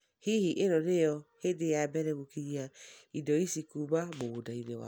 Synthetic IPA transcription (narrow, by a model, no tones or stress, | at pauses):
hihiʔeɾɔnejɔhedejabɛɾɛɣukiɾiaidɔisikuβaβodaiɾewa̰